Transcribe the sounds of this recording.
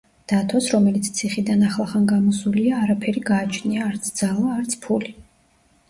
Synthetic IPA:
d̪̥at̪ʰɔsɾɔmɛlit̪sʰt̪sʰiχid̪anaχlˠaχanɡamɔsuliaːɾapʰɛɾiɡaːt͡ʃʰniaːɾt̪sʰd̪z̥alˠaːɾt̪sʰpʰuli

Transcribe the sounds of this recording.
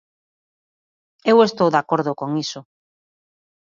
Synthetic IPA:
ewest̪owðakoɾðokoŋisʊ

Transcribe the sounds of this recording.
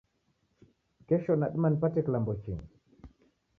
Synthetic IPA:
kɛʃɔnaɗmanpatɛklambot͡ʃḭŋ

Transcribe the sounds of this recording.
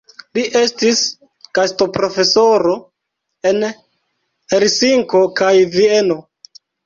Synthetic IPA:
liʔe̞stis | kasto̞pɾo̞fe̞so̞ɾo̞ | e̞n | heɾsiŋko̞kajvie̞no̞

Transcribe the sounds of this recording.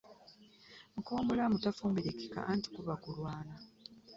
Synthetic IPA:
muko̞ːmbolamutafuːmbiɾekika̰ʔanti̥kuβakulwaːna

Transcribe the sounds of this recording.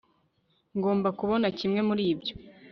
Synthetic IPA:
ŋɡo̞ːmbakuβo̞nacimŋe̞muɾiːbjo

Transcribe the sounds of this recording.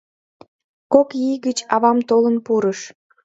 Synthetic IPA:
kokjijɡət͡ɕɑβɑmt̪olənpuɾəʃ

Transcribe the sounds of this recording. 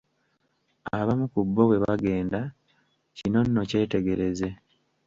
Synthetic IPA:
aβamukubːo̞we̞βaɡe̞ːnda | cino̞nːo̞ce̞ːte̞ɡe̞ɾe̞ze̞

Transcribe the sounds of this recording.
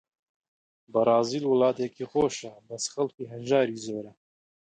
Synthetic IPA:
bəɾˤɑːziːlwɨlɑːt̪ekiːxoːʃɐbɐsxɐlkiːɦɐnʒɑːɾiːzoːɾɐ

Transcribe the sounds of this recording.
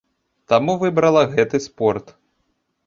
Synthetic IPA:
t̪amuvɨbɾɐlˠɐɣɛt̪ɨspɔrt̪

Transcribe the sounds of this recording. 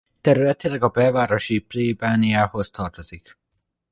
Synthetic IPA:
t̪ɛɾylɛt̪ilɛɡɒbɛːvaːɾoʃipleːbaniaːhozt̪ʰɒrt̪oz̥ik

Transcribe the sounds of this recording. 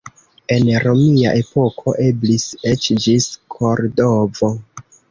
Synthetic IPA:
e̞nɾo̞mia̰ʔe̞po̞kʰo̞ʔebliset͡ʃd͡ʒiskʰo̞ɾdovo̞

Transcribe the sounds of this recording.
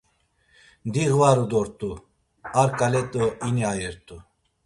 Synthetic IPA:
nd̪iɣvaɾud̪ɔɾt̪ʼu | aɾkʼalɛt̪ʼɔiniajɛɾt̪ʼu

